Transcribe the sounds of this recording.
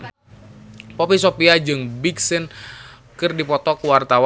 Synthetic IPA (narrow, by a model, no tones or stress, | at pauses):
pɔpisopiad͡ʒɨŋbiksɪn | kɨrdipɔt̪ɔkuwart̪aw